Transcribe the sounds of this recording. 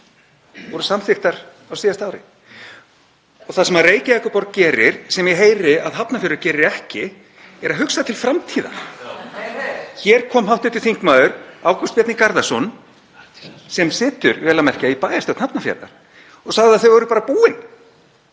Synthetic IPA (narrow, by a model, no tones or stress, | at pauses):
vɔɾʏsamθɪxt̪aɾ̥ | awsiːðast̪aːwɾɪ̰ | ɔɣθasɛmaðreːjcɪɛhkʏpɔɾ̚cɛːɾɪɾ̥sɛmjɛɦeːjɾɪaðɦapnafɛɾʏɾcɛːɾɪɛhcɪ | ɛɾaɦʏksaðt̪ʰɪlfɾamt̪ʰiːða̰ɾ̥ | çɛɾ̥kʰɔːmɦawht̪ʏt̪ːɪ̥θiŋ̥kmaːðʏɾaːwkɔst̪pjɛt̪nɪkaɾðasɔn | sɛmsɪːt̪ʏɾvɛːlamɛr̥caipaːjasowt̪napnafjɛ̰ɾða̰ɾ̥ | ɔɣsaɣðɪaðθœɥvɔɣɾʏpaːɾapuːɪn